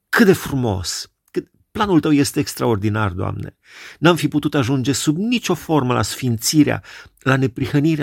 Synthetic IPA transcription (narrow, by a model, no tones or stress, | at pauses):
kɨt̪̚d̪e̞fɾumo̞̰s | kɨ | planult̪əwje̞st̪e̞ːkst̪ɾao̞rd̪ina̰rd̪oa̰mne̞̰ | namfiput̪ut̪aʒund͡ʒe̞subnit͡ʃʲo̞fo̞rməla̰sfint̪siɾea̰lane̞pɾixəniɾe